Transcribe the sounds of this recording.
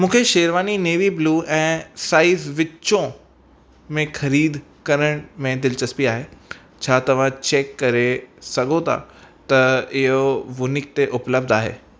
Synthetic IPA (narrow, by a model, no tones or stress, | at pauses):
mũːkʰeʃeːɾʋaːnineːʋibluːɛ̃ːsaːisʋɪt͡ɕõ | mẽxɐɾiːd̪ʱ | kɐɾəɽ̃mẽd̪ɪlt͡ɕɐspiaːɦeː | t͡ɕʰaːt̪ɐʋ̤ãt͡ɕeːkːɐɾesɐɠʱot̪ʰa̰t̪ɐɪɦoʋʊnɪk̚t̪eʔʊpləb̚d̪aːɦḛː